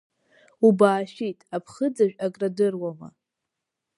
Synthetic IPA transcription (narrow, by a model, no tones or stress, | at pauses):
ubaːʃitʼapʰχəd͡zaʒᶣakʼradɨrwama̰